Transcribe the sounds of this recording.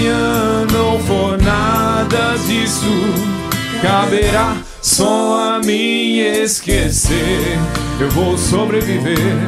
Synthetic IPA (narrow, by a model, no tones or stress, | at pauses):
ɐ̃nɐ̃w̃fonad̪ɐd͡ʒisu | kabeɾa | sɔ̃ɐmĩeskeseɾ | ewvowsobɾeviveɾ